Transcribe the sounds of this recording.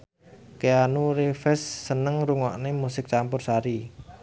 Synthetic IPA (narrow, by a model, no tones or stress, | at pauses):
keanuɾefɛsːənəŋɾuŋɔ̰ʔnemusɪk̚t͡ʃampʊrsaɾi